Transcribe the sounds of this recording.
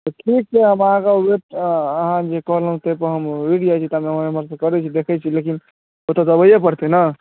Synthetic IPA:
t̪ɔʈʰik̚seɦəmaɦãkabeʈəɦãd͡ʒekəɦləɦũt̪əjpəɾɦəmwiɖijat͡ʃʰit̪amemaemaɾsə̃kəɾɛt͡ʃʰid̪ekʰɛt͡ʃʰilekin | ot̪əd̪əbəjepəɾt̪enə

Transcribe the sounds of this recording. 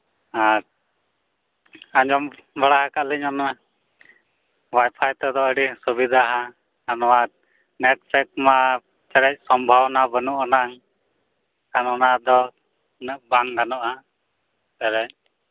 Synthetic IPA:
aɾ | aɲd͡ʒɔmbaɽaɦakaʔliɲɔna | wajpʰajt̪ɛd̪ɔəɽisubid̪ʱaɦa | anɔwa | nɛʈ̚sɛk̚ma | t͡ʃɛɾɛc̚ˀsɔmbʱawnabənuʔɔnaŋ | kanɔnad̪ɔ | nəʔbaŋɡanɔʔa | tɛɾɛc̚

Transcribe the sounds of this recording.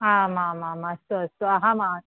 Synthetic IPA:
amãmãmast̪uɐst̪uaɦãma

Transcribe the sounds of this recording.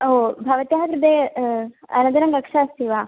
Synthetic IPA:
obʱɐʋɐt̪jaɦɐt̪ɾd̪e | ɐ̰nɐd̪ɐɾɐŋɡɐkʂaːst̪iʋaː

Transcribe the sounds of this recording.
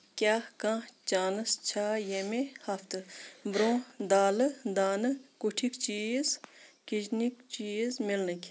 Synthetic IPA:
kʲaːkãːt͡ʃaːnɨst͡ʃʰaːjemehɐft̪ɨbɾõːd̪aːlɨd̪aːnɨkuʈʰikt͡ʃizkit͡ʃnikt͡ʃizmilnɨkʲ

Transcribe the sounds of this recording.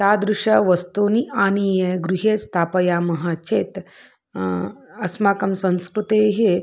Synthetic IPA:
t̪aːd̪ɾuʂɐʋɐst̪uːniʔaːnijɐɡɾuɦeːst̪ʰaːpɐjaːmɐɦaːt͡ʃeːt̪ | ɐsmaːkɐmsɐ̃ñskɾut̪eːɦe

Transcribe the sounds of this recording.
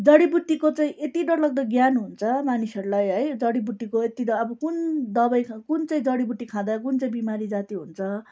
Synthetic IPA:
d͡zʌɽibut̪ːikot͡saĩʔet̪iɖʌɾlʌɡ̚d̪ʌɡjanɦunt͡sʰʌmanisʌɾulajɦʌjd͡zʌɽibut̪ːikoet̪id̪ʌbʌkund̪ʌbʌjʰkunt͡saĩd͡zʌɽibut̪ːikʰãd̪akunt͡saĩbimaɾid͡zat̪iɦunt͡sʰʌ

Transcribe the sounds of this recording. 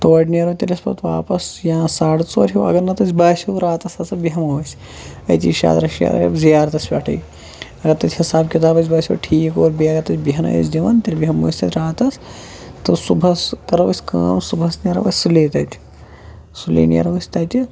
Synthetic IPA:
t̪oːʈnɐɾɐt̪ʲɐlʲɐspɐ̰t̪ʋa̰ːpɐsjãːsaːɽt͡soːɾʲɦʲiwɐ̰ɡɐɾnɐt̪ɐt͡sʲbaːsʲɐwɾaːt̪ɐsɐsɐbiɦɐmoʋɐsʲ | ɐ̰jt̪ʲḭːʃa̰ːt̪ɾɐʃja̰ːd̪ɐ̰bzijaːɾt̪ɐsʋʲaːʈʰɐ̰ji | ɐɡɐɾt̪ɐt͡ʃʲhɐsaːbkʲit̪aːbɐt͡ʃ̬ʲbaːsʲɐ̰ːʈʰiːkoːɾbiɐɡɐɾt̪ɐt͡ʃʲbiɦɐnɐ̰jɐ̰sd̪iʋɐnt̪ʲɐlʲbiɦɐmoːsʲt̪ɐt̪ʲɾaːt̪ɐs | t̪ɨsubʱɐskɐɾɐʋɐsʲka̰ːmsubʱɐsnʲɐɾɐ̰ʋɐ̰sʲsuleːt̪ɐt͡ʃʲ | sulḛːnijɐ̰ɾɐʋɐsʲt̪ɐt̪i

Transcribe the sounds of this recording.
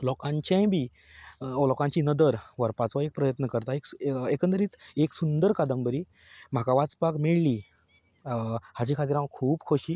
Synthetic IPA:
lɔkãɲt͡ɕãjbʱiː | ɔlɔkãɲt͡ɕiːnəd̪əɾʋəɾpat͡sʋaek̚pɾəjət̪nəkəɾt̪aekekə̃nt̪̬əɾiːt̪eksund̪əɾkad̪əmbəɾiː | m̤akaʋat͡spakmeɭli | hat͡ɕikʰat̪iːɾãʋəkʰuːbkʰoɕiː

